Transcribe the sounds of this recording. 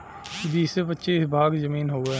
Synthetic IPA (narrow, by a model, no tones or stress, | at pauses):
d̪iːsebətːʃebʱaːɡzəmiːnɦoːɡe